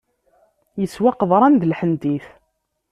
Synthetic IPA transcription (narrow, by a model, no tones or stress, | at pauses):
jəswaqəðˤɾˤɑnd̪əlħənd̪iθ